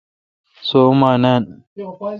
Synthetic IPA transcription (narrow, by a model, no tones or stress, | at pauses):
somanan